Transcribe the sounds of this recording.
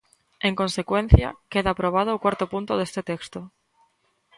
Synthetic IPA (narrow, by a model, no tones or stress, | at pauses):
eŋko̞nsekwẽn̟θja̰keðaːpɾoβ̞að̞oukwaɾt̪opunt̪oðest̪et̪ekst̪o